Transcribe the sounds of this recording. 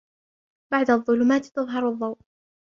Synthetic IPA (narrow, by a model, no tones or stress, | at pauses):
b̥aʕd̪ɑðˤːʊlʊmaːt̪t̪ɑðˤɦɑɾˤɑðˤːɑwʔ